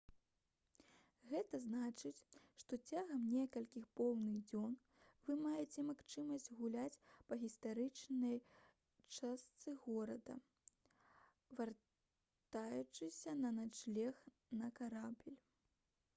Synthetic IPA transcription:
ɣɛt̪ɐznat͡ʂɨt͡sʲʂt̪ɔt͡sʲaɣɐmnʲɛkɐlʲkʲixpɔwnɨɣd͡zʲɔn | vɨmajɛt͡sʲɛmaxt͡ʂɨmɐsʲd͡zʲɣulʲat͡sʲpɐɣʲist̪aɾɨt͡ʂnɐj | t͡ʂast̪sɨɣɔɾɐd̪ɐ̰ | var | t̪ajut͡ʂɨsʲɐnɐnat͡ʂlʲɛx | nɐkaɾabʲilʲ

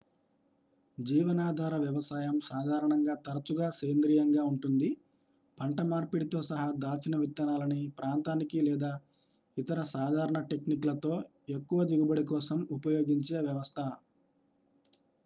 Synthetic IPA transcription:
d͡ʒiːʋɐnaːd̪ʱaːɾɐʋjɐʋɐsaːjɐmsaːd̪ʱaːɾɐɳɐŋɡaːt̪ɐɾɐt͡ʃuɡaːseːnd̪ɾiːjɐŋɡaːuɳʈund̪i | pʰɐɳʈɐmaːɾpiɽit̪o̞ːsɐɦɐd̪aːt͡ʃinɐʋit̪ːjɐnaːlɐnipɾaːnt̪aːnikilɛːd̪aː | it̪ɐɾɐsaːd̪ʱaːɾɐɳɐʈe̞kniklɐt̪o̞ː | ekːuʋɐd͡ʒ̪iɡubɐɽikɔːsɐmupɐjo̞ːɡiɲt͡ʃeːʋjɐʋɐst̪ʰɐ

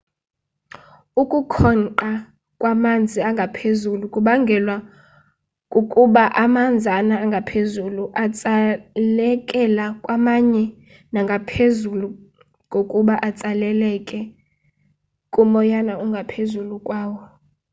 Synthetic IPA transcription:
ukʼukʰɔnǃa | kʼwamand͡zʱiaŋɡʱapʰezulukʼuɓaŋɡʱɛlwa | kʼukʼuɓaʔamand͡zʱanaːŋɡʱapʰezuluʔat͡sʼalɛkʼɛlakʼwamaɲɛ | naŋɡʱapʰezulu | ŋɡʱokʼuɓaʔat͡sʼalɛlɛkʼɛ | kʼumɔjanauŋɡʱapʰezulukʼwaːwɔ

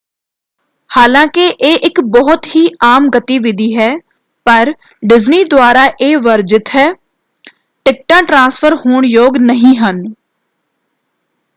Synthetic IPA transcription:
haːlãːkɪʔeːʔɪkbɔɦʊt̪ɦiːʔaːmɡət̪iːʋɪd̪iːɦɛː | pəɾ | ɖɪzniːd̪ʊaːɾaːʔeːʋəɾd͡ʒɪt̪ɦɛː | ʈɪk̚ʈãːʈɾãːspʰəɾhoːɳjoːɡnəɦĩːɦən

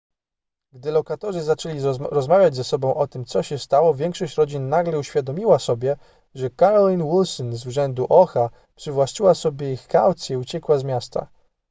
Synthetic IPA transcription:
ɡd̪ɘlɔkat̪ɔʐɘzat͡ʂɛlʲiɾɔzmavʲjad͡ʑzɛsɔbɔ̃w̃ʔɔt̪ɘmt̪sɔɕɛst̪awɔvʲjɛŋkʂɔɕt͡ɕɾɔd͡ʑinːaɡlɛuɕfʲjad̪ɔmʲiwasɔbʲjɛ | ʐɛkaɾɔlʲinwilsɔnzuʐɛnd̪uʔɔxa | pʂɘvwaɕt͡ʃiwasɔbʲjɛixkawt̪sʲjɛut͡ɕɛkwazmʲjast̪a̰

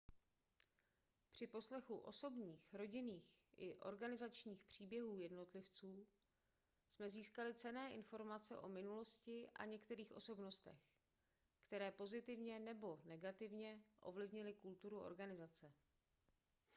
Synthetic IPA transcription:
pr̝̥ɪpo̞slɛxuʔo̞so̞bɲiːxɾo̞ɟɪniːxʔɪʔo̞̰ɾɡanɪzat͡ʃɲiːxpr̝̥iːbjɛɦuːjɛdno̞t̪lɪft͡suː | smɛziːskalɪt͡sɛnɛːʔɪnfo̞ɾmat͡sɛ̰ʔo̞mɪnulo̞scɪʔa̰ɲɛkt̪ɛɾiːxʔo̞̰so̞bno̞st̪ɛ̰x | kt̪ɛɾɛːpo̞zɪt̪ɪvɲɛnɛbo̞nɛɡat̪ɪvɲɛʔo̞̰vlɪvɲɪlɪkult̪uɾuʔo̞̰ɾɡanɪzat͡sɛ

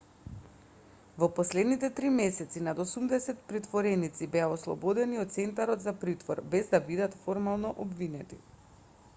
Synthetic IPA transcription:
vɔpɔslɛd̪nit̪ɛt̪ɾimɛsɛt̪sinad̪osumd̪ɛsɛt̪pɾit̪vɔɾɛnit̪sibɛaoslˠɔ̰bod̪ɛniɔt̪t̪sɛnt̪aɾɔt̪zapɾit̪vɔɾbɛzd̪abid̪at̪foɾmalˠnɔʔobvinɛt̪ḭ

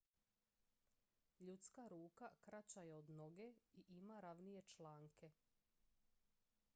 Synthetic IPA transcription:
ʎut̪skaɾuːkakɾat͡ɕajeod̪no̞ɡeiʔimaɾaʋnije̞t͡ʃlaːŋkʰe̞

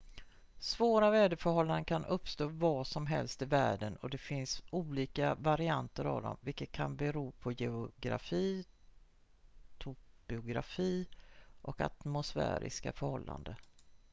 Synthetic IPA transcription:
svoːɾavɛːd̪əfœɾhɔlːand̪əkʰanʔɵpːst̪oːvɑːʂɔmɦɛlst̪ɪvæːɖənɔd̪ɛfɪnsuːliːkavaɾɪant̪əɾa̰vd̪ɔ̰mvɪlkːət̪̚kʰanbɛɾuːpʰɔjɛʊɡɾa̰fiː | t̪ʰʊb̥ɪʊɡɾa̰fiːʔɔka̰t̪mʊsfæ̰ːɾɪ̰skafœɾhɔlːa̰nd̪ə

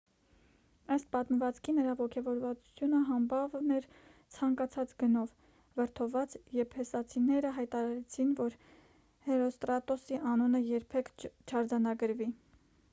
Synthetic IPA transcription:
əst̪̚pɑt̪məvɑt͡skʰinəɾɑvɔkʰɛvɔɾvɑt͡su̥t͡sʰjunəɦɑmbɑvnɛɾt͡sʰɑŋkɑt͡sʰɑt͡sɡənɔv | vəɾt̪ʰɔvɑt͡sjɛppʰhɛsɑt͡sʰinɛɾəɦɑjt̪ɑɾɑɾɛt͡sʰinvɔɾ | hɛɾɔst̪ɾɑt̪ɔsiʔɑnunəjɛɾpʰɛkʰt͡ʃʰɑɾd͡zɑnɑɡəɾvi

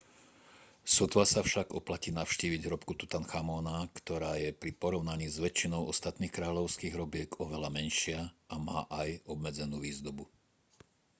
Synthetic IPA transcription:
sɔt̪ʋasafʃaɡɔplaciːnaʊʃciːʋiɟɦɾɔpkut̪ut̪anxamɔnakt̪ɔɾaːjɛpɾipɔɾɔʊnaɲiːzʋɛt͡ʃinɔʊɔst̪at̪niːxkɾaːʎɔʊskiːɣɦɾɔbɪɛɡɔʋɛlamɛnʃɪaʔama̰ːʔajɔbmɛd͡zɛnuːʋiːzd̪ɔbu

